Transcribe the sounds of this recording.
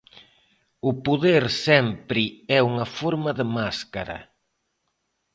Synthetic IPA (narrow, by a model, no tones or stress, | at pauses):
ʊpoðeɾsɛmpɾɪɛuŋɐfoɾmɐðɪmaskaɾɐ̰